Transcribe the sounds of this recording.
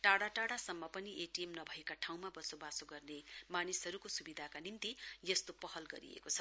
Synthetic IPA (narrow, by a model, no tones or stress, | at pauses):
ʈaɽaʈaɽasʌmːʌpʌniʔeʈijemnʌbʱʌekaʈʰaw̃mabʌsobasoɡʌrnemanisɦʌɾukosubid̪ʱakanimt̪ijʌst̪opʌɦʌlɡʌ̰ɾḭḛkot͡sʰʌ